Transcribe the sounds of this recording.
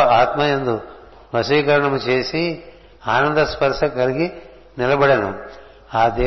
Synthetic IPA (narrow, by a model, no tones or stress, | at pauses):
aːt̪mɐjend̪u | ʋɐsʋiːkɐɾɐɳɐmut͡ʃeːsi | aːnɐnd̪ɐspɐɾʂɐkɐɾiɡi | nilɐbɐɽɐnṵ | aːd̪eː